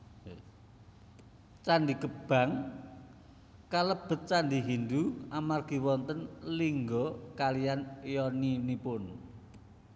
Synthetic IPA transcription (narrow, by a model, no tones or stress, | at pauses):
t͡ʃandikəb̥a̤ŋ | kaləb̥ə̤t̪̚t͡ʃand̪iɦind̪uamarɡ̥i̤wɔnt̪ənliŋɡɔkalijanjɔninipʊn